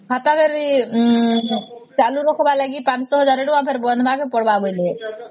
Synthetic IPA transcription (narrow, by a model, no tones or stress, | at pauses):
ɦat̪abeɾi | t͡ʃaluɾɔkʰɔbalaɡipãnt͡ʃsɔɦɔd͡ʒaɾeʈɔ̃apʰeɾbɔnd̪bakepɔɽbabɔjle